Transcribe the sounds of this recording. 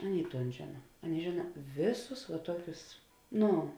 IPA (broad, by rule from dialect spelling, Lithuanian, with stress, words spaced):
ˈɑːˌnʲeːɪ ˈtoːn ˈʒʲeːnɐ ˈɑːˌnʲeːɪ ˈʒʲeːnɐ ˈʋʲeːˌsʊs ʋɐ ˈtuɔkʲʊs ˈnʊ